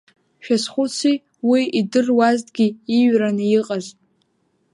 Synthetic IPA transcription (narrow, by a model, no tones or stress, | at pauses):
ʃᶣasχʷʊt͡sʰi | wiidɨrwaztʼɡʲiiɥranɨjiqʼaz